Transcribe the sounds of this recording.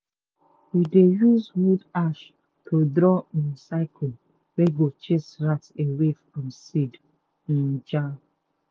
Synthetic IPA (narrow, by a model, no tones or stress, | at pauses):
widejuzwudaʃ | tʰodɾɔĩnsaɪkʰɔ | weɡot͡ʃesɹatewefɹɔ̃msid | ĩnd͡ʒa